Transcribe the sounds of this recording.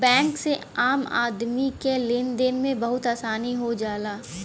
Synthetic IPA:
bɛ̃ːŋkse | aːma̰ːd̪mikelɪnd̪enmẽbɐɦʊt̪aːsaːniɦod͡ʒaːlaː

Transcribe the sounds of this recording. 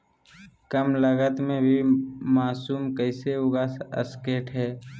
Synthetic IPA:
kəmləɡət̪mẽbʱimaːsuːmkəɪseɦoːɡaə̰skeːʈɦɛː

